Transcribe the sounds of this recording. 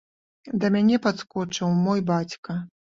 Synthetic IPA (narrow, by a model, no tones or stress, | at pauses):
d̪ɐmʲanʲɛpat̪skɔt͡ʂɨwmɔjbat͡sʲkɐ